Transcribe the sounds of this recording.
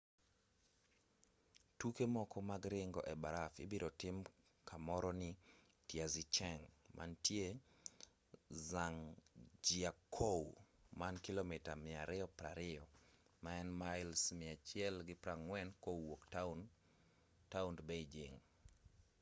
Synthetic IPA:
tukemɔkɔmaɡɾɪŋɡɔʔɛbaɾafɪbiɾɔtɪm | kʰamɔɾɔnɪ | tjazit͡ʃɛŋmʔa̰ntje | zaŋd͡ʒiakʰoumankilomɪtamɪaɾɪɔpɾaɾɪɔ | maɛnmaɪlsmɪat͡ʃjɛlɡɪpɾaŋwɛnkowoktan | taundbeid͡ʒɪŋ

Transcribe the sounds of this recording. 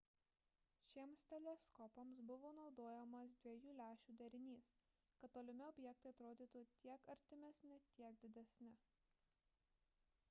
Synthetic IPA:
ʃʲiɛmst̪ʲɛlʲɛskɔpɔmsbʊʋoːnɒʊd̪oːjɛmos̬d̪ʲʋʲiɛjuːlʲæːʃʲuːd̪ʲɐɾʲɪnʲiːs | kɐt̪t̪ːoːlʲɪmʲɪɔbʲjɛk̚t̪ɐɪɐt̪ɾoːd̪ʲiːt̪ut̪ʲiɛkɐɾʲt̪ʲɪmʲɛsʲnʲɪt̪ʲiɛk̚d̪ʲɪd̪ʲɛsʲnʲɪ

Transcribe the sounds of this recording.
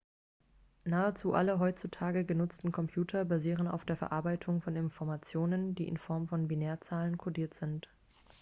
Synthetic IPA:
naːət͡suːʔa̰ləɦɔʏt͡sutʰaːɡəɡənʊt͡stn̩kʰɔmpʰj̥uːtʰɐbaziːʁ̞əna̰ʊfd̥eːɐfɛɐʔaɐbaɪtʰʊŋfɔnɪnfɔɐmat͡sjoːnəndiːʔɪ̰nfɔɐmfɔnbineːɐt͡saːlənkʰodiːɐtz̥ɪnt

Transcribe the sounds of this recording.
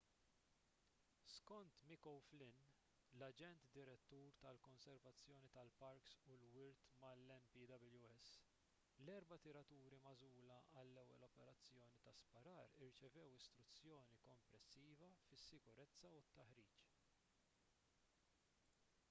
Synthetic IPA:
skɔnt̪mɪkɔwflɪn | lɐd͡ʒɛnt̪d̪ɪɾɛt̪ːuːɾt̪ɐlkɔnsɛɾvɐt͡sːjɔːnit̪ɐlpɐɾksʊlwɪɾt̪mɐlːɛnpiːd̪ɐbljuɛs | lɛɾbɐt̪ɪɾɐt̪uːɾimɐzuːlɐʔɐlːɛwːɛ̰lɔpɛɾɐt͡sːjɔːnit̪ɐspɐɾɐːɾɪɾt͡ʃɛvɛwɪst̪ɾʊt͡sːjɔːnikɔmpɾɛsːiːvɐfɪsːɪkʊɾɛt͡sːɐut̪ːɐħɾiːt͡ʃ

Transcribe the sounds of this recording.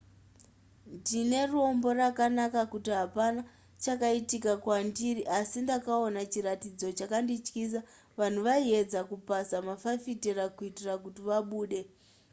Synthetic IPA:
ndine̞ruo̞mbo̞rakanakakutiɦapana | t͡ʃakaitikakwandiriʔasindakao̞nat͡ʃiratid͡zo̞t͡ʃakandit͡ʃkis̬a | ʋan̤uʋaie̞d͡zakupasamafafiteɾakuitirakutiʋaɓuːɗe̞

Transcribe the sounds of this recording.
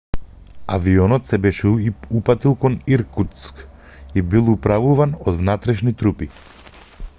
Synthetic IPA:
a̰viɔnɔt̪sɛbɛʃɛupat̪ilˠkɔniɾkut̪sk | ibilˠupɾavuvanɔd̪vnat̪ɾɛʃnit̪ɾupi

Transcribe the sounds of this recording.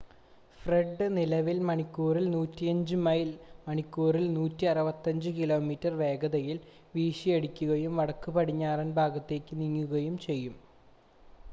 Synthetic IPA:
freɖːɨnilɐʋilmɐɳikːuːrilnuːtːijɐɲd͡ʑɨmɐjlmɐɳikːuːrilnuːtːiɐrɐbɐt̪ːɐɲd͡ʑɨkilo̞ːmiːtːɐrʋe̞ːɡɐd̪ɐjil | ʋiːʂieɽikʲːuɣɐjumʋɐɽɐkːupɐɽiɲːaːrɐnbʱaːɡɐt̪ːe̞ːkːɨniŋːuɣɐjumt͡ɕe̞jːum

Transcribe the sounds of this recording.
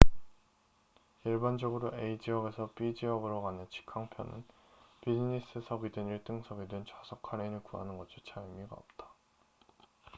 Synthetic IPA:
iɭband͡ʑʌɡɯɾoʔeid͡ʑiʌbe̞sʰʌp͈id͡ʑiʌbɯɾoɡanɯnt͡ɕʰi̥kʰaŋpʰjʌnɯ̰n | pid͡ʑinis͈ʰɯsʰʌɡidɯniɭt͈ɯŋsʰʌɡidwent͡ɕasʰʌkʰaɾenɯɭkua̰nɯnɡʌd͡ʑʰit͡ɕʰaimiɡa̰ʌp̚t͈ḁ

